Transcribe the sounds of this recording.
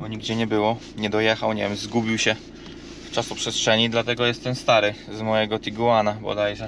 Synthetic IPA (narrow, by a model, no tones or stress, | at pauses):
bɔɲiɡd͡ʑɛɲɛbɘwɔ | ɲɛd̪ɔjɛxawɲevʲjɛmzɡubʲiwɕɛ | ft͡ʂasupʂɛst̪ʂɛɲid̪lat̪ɛɡɔjɛst̪ɛmst̪aɾɘzmɔjɛɡɔt̪ʲiɡuwanabɔ̰d̪ajʐɛ